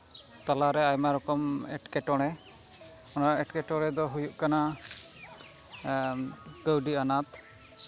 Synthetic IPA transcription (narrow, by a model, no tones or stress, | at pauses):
t̪alaɾɛajmaɾɔkɔmɛʈkɛʈɔɽ̃ɛ | ɔnaɾaʔɛʈkɛʈɔɽ̃ɛd̪ɔɦujuʔkana | kəwɖianat̪̚